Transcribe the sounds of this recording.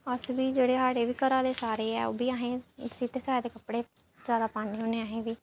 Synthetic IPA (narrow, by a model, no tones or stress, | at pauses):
əsʋiːd͡ʒeːɽeːɦaːɽeːʋiːkəɾaːd̪eːsaːɾeːɛ̰ːo̰ːbiːaːɦẽːsiːt̪eːsaːad̪eːkəpɽeː | d͡ʒaːd̪aːpaːnĩːɦoːneːaːɦẽːʋiː